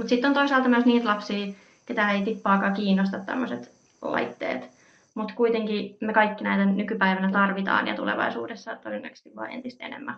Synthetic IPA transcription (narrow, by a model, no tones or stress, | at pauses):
mut̪sit̪ːont̪oisɑːlt̪ɑmyøsniːt̪lɑpsiː | ket̪æeit̪ipːɑːkɑːkiːnːost̪ɑt̪t̪æ̰mːoset̪ | lɑ̰it̪ːḛːt̪ | mut̪kuit̪eŋkimekɑikːinæit̪ænykypæiʋænæt̪ɑrʋit̪ɑ̰ːnjɑ̰t̪ulḛʋɑ̰isuːdesːɑt̪odenːɑ̰kst̪ːiʋʋɑ̰ːʔent̪ist̪enḛmːæ